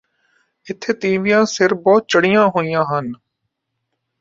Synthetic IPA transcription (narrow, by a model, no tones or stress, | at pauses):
ɪt̪ʰːeːt̪iːʋijãːsɪɾbɔːt̪̚t͡ʃəɽijãːɦoːijãːɦən